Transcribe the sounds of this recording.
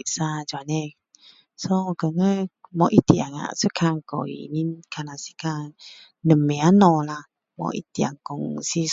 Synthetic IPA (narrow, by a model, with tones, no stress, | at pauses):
ʔsa˧d͡ʒwa˨nɛ | sɔ˦kə˨ŋəmɔ˧ʔi˦t̪i˧a˨ŋa̰˨sə˦kʰa˧ŋkɔ̰˨ḭ˨ni˦nkʰa˧na˨si̥˦ka˧ŋ | nə˨me˨a˦nɔ˧la˧ | mɔ̰˧ʔḭ˦t̪i˧a̰˨ŋkɔ˨ŋsi˦